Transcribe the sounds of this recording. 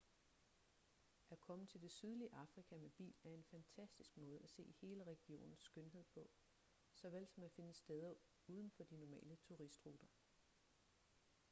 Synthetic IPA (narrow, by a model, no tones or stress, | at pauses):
ʔækʰɒ̽mət͡sʰe̝ld̥e̝syð̞ˠliəʔɑ̈fʁikʰæmeb̥ḭːlæɐe̝nfænt͡sʰæsd̥isɡ̥mɔ̽ːð̞̩ˠæse̝̰ːihe̝ːləʁɛɡ̥io̝̰ːnn̩sːɡ̥ønɦe̝ð̞̰ˠpʰɒ̽ | sɒ̽ʋel̰sɒ̽mæfe̝nəsd̥eð̞ˠɐ | uːð̞ˠən̩fɒ̽d̥inɒmɛ̰ːlət͡sʰuʁisd̥ʁuːd̥ɐ